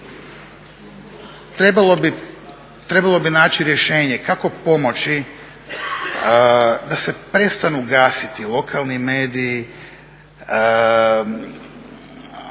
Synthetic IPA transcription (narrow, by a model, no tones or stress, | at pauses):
t̪ɾebalobi | t̪ɾe̞balˠo̞binaːt͡ɕiɾje̞ʃe̞ːɲe̞kako̞po̞mo̞t͡ɕi | d̪ase̞pɾe̞st̪anuɡaːsit̪ilˠo̞kʰaːlˠnimeːd̪ii